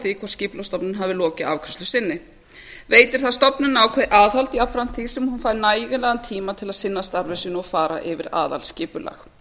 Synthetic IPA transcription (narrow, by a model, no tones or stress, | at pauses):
θikʰvɔrscɪːplast̪ɔpnɪnɦavɪlɔːcɪa̰vkʰɛ̥st̪lʏsɪnːɪ | veːjt̪ɪɾ̥θaðst̪ɔpnɪnaːwkʰvɛʔaːðhalt̪iapɾan̥t̪θisɛmhunfaːjɾnaːjɣɪlɛɣant̪ʰiːmat̪ʰɪlaðsɪnːast̪aɾvɪsʏnɔɣfaːɾa̰ʔɪvɪɾa̰ːða̰lscɪːpʏla̰x